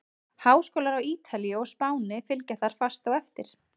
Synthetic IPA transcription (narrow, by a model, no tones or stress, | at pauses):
haːwskowlaɾawiːt̪ʰaljɔɣspaːwnɪfɪlcaθaɾ̥fast̪awɛft̪ɪɾ̥